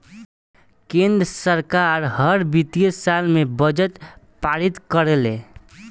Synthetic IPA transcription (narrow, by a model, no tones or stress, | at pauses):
kẽnd̪ɾəsəɾkaɾɦəɾbit̪ijəsalmebəd͡ʒəʈ | paɾit̪kəɾelḛ̃